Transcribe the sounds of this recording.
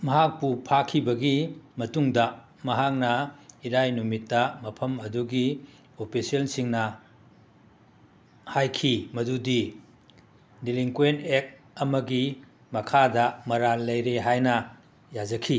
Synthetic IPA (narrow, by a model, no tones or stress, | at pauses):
mɐɦak̚pupʰakʰibɐɡimɐtuŋdɐ | mɐɦak̚nɐiɾajnumitːɐmɐpʰɐmɐduɡi | opʰisiensiŋnɐ | hajkʰimɐdudi | diliŋkuentek̚ | ɐmɐɡi | mɐkʰadɐmɐɾallɐjɾeɦajnɐ | jad͡ʒɐkʰi